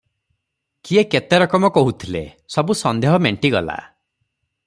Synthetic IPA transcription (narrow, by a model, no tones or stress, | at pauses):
kieket̪eɾɔkɔmɔkɔɦut̪ʰilḛ | sɔbusɔnd̪eɦɔmeɳʈiɡɔla̰